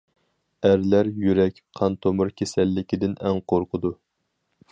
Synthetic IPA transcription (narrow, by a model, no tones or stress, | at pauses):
æɾlæɾjyɾɛkʲqʰɑnt̪ʰomʊɾkʲʰesɛlːɪkʲid̪ɪnɛŋqʰoɾqʰəd̪u